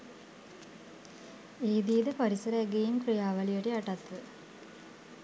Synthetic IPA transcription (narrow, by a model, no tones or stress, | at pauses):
iːd̪iːd̪əpaɾisəɾəæɡejimkrijaːʋɐlijəʈiaʈat̪ʋə